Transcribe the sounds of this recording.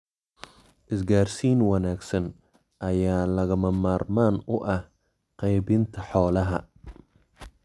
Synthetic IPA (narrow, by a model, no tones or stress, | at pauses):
ʔɪsɡaːrsiːnwɑnaːɡsɐn | ʔɐjaːlɐɣɐmɐmaːrmaːnʊʔɐh | qɛjbɪnt̪ʰɐħɔːlɐɦɐ̰